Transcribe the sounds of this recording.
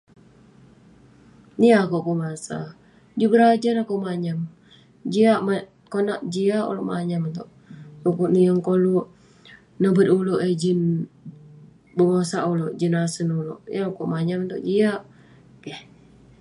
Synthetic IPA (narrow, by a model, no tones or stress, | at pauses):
niakoʔbəmasa̰ | d͡ʒubəɾad͡ʒanakoʔmaɲam | d͡ʒiaʔma | konaʔd͡ʒiaʔṵlo̰ʔma̰ɲamt̪oʔ | tukuʔnijəŋkoluʔ | nəbəd̪uloʔed͡ʒin | bəmasaʔuloʔd͡ʒinasənulo̰ʔjaakoʔmaɲamnt̪oʔd͡ʒiaʔ | kɛh